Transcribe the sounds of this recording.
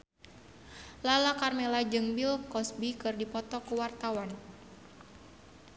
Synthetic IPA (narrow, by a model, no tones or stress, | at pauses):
lalakarmɛlad͡ʒɨŋbilkɔsbikɨrdipɔt̪ɔkuwart̪awan